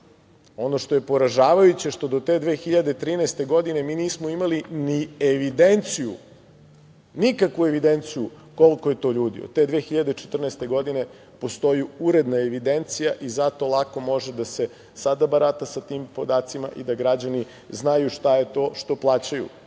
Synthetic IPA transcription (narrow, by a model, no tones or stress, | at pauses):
o̞no̞ʃt̪oje̞po̞ɾaʒaːʋajut͡ɕeʃt̪o̞d̪ot̪ed̪ʋe̞ːxiʎad̪et̪ɾiːnest̪e̞ɡo̞d̪ine̞miːniːsmo̞imalinieʋid̪ent̪sijṵ | nikakʋue̞ʋid̪e̞nt̪siju | ko̞lko̞je̞t̪o̞ʎuːd̪ḭo̰d̪̚t̪ːe̞d̪ʋe̞ːxiʎad̪et͡ʃet̪r̩nest̪eɡo̞d̪ine̞ | po̞st̪o̞juuɾe̞d̪nae̞ʋid̪e̞nt̪sijaʔizat̪o̞lˠako̞mo̞ʒed̪ase̞ | sad̪abaɾat̪asat̪iːmpo̞d̪aːt̪sima̰ʔid̪aɡɾad͡ʑani | znajuʃt̪aje̞t̪o̞ːʃt̪o̞plˠaːt͡ɕajṵ